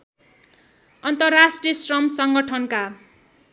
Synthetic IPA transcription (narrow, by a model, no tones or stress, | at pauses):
ʌnt̪ʌrːasʈrijʌsrʌmsʌŋɡʌʈʰʌnka